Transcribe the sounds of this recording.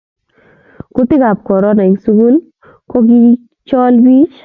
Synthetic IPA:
ko˦tɪ˦ɡa˨p̚kɔ˨ɾɔ˦na˨ɪ˨ksu˦ɡu˦l | kɔ˦ki˦ | t͡ʃɔ˦lbi˦t͡ʃ

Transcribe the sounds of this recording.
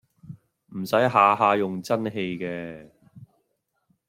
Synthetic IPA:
m̩˨˩sɐ˨˥jɦaː˨˧ɦaː˧jʊ˨ŋt͡sɐ˥nɦe˧jkɛː˧

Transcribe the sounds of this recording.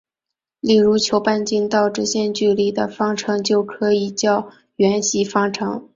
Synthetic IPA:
li˥˩ɻu˧˥t͡ɕʰjo˧˥ʊpa˥˧nt͡ɕi˥˧ŋt̪ɑ˥˧ʊʈ͡ʂ̩˥ɕjɛ˥˧nt͡ɕy˥˩li˨˩d̪ə˩fɑ˥ŋʈ͡ʂʰɤ˧˥ŋt͡ɕjo˥˩ʊkʰɤ˧˥i˨˩t͡ɕjɑ˥˩ʊ | ɥɛ˧˥nɕi˧˥fɑ˥ŋʈ͡ʂʰɤ˧˥ŋ

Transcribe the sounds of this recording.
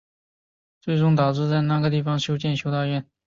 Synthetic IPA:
t͡swe˥˩ɪʈ͡ʂʊ˥ŋt̪̬ɑ˨˩ʊʈ͡ʂɻ̩˥˧t͡sa˥˧ɪna˥˩ɡə˩t̪i˥˩fɑ˨˥ŋɕjo˥ʊt͡ɕjɛ˥˩nɕjo˥ʊt̪ɑ˥˧ʊɥɛ˥˩n

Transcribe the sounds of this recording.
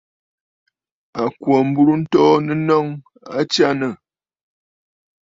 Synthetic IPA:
a˨kwo˨m̩˦bu˦ɾu˦n̩˦tɔː˦nə˦nɔ˦ŋ | a˦t͡ʃa˦nə˨

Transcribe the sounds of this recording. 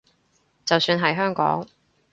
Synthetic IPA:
t͡sɐ˨wsyː˧nɦɐ˨jɦœː˥ŋkɔ̰ː˨˥ŋ

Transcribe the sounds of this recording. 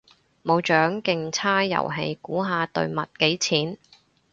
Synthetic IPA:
mo˨˧wt͡ʃœː˨˥ŋkɪ˧ŋt͡sʰaː˥jɐ̰˨˩wɦe˧jkuː˨˥ɦaː˧t̪ɵ̰˧ɥmɐ˨t̚ke˨˥jt͡sʰiː˨˥n

